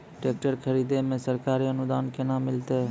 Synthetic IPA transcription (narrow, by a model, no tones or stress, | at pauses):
ʈeːk̚ʈəɾkʰəɾiːd̪emẽsəɾkaːɾiɐnʊd̪aːnkenaːmːɪlt̪eɦ